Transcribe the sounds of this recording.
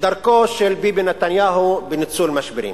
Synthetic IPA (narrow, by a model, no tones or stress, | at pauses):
d̪aɾkoʃelbibinat̪anjaːɦubenit͡sulmaʃbiɾḭm